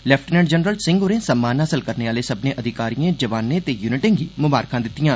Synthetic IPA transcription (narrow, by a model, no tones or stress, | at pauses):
lɛːpʰʈnɛːɖd͡ʒənɾəlsɪ̃ŋɡoːɾẽːsəmːaːnəsəlkəɾneːaːleːsəbnẽːʔəd̪ʱɪkaːɾijãːd͡ʒəʋaːnːẽːt̪eːjuːnɪʈɪ̃ːŋɡḭːmʊbaːɾkãːd̪ɪt̪ːɪjãː